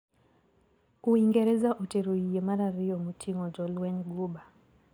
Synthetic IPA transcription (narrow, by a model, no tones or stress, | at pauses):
kuiŋɡɛɾɛzaʔuteɾoijemaɾaɾiɔmutʰiŋɔd͡ʒɔlwɛɲɡuɓa